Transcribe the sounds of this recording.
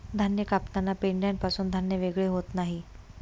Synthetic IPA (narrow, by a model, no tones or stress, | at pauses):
d̪ʱanjəkapnanːapeɳɖjanpasuːnd̪ʱanjəʋeɡɭeɦot̪naɦi